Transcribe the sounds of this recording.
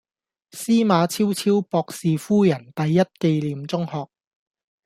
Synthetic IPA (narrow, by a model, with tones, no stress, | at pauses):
siː˥maː˨˧t͡sʰiː˥wt͡sʰiː˥wpɔː˧k̚siː˨fuː˥jɐ˨˩nt̪ɐ˨jːɐ˥t̚ke˧jliː˨mt͡sʊ˥ŋhɔː˨k̚